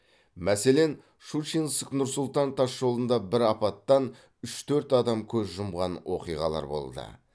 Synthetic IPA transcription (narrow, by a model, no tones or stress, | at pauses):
mæse̞le̞n | ʃut͡ʃinsknʊɾsʊlˠt̪ɑnt̪ʰɑsʒo̞lˠənd̪ɑbɪɾɑpɑt̪ːɑn | ʏʃt̪ʰɵɾt̪ɑd̪ɑmkʲʰɵzʒʊmʁɑnwo̞̰qijʁɑ̰lˠɑ̰ɾbo̞̰lˠd̪ə̰